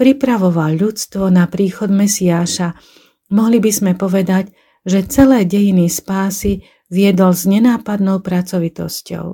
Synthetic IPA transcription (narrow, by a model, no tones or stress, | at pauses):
pɾipɾaʋɔʋalʎːut͡st̪ʋɔnapɾiːxɔd̪mɛsiaːʃa | mɔɦlibizmɛpɔʋɛd̪aɟ | ʒɛt͡sɛlɛːɟɛjinispaːsi | ʋɪɛd̪ɔlzɲɛnaːpad̪nɔʊpɾat͡sɔʋit̪ɔscɔ̰ʊ